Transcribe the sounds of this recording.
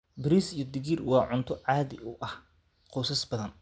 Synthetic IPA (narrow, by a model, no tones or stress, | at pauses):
bɪɾisijɞd̪ɪɣirwɑːʕʊnt̪ʰɔʕɑːðɪ̰ʊʔɐh | qɔːsɐsbɐðɐn